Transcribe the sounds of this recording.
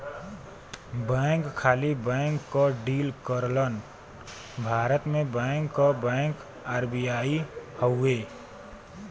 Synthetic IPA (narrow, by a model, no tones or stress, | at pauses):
bɛ̃ːŋkʰːaːlibɛ̃ŋkːəɖiːlkəɾlən | bʱaːɾət̪mẽbə̃ːŋkːəbɛ̃ŋk | aːɾbijaːihəwe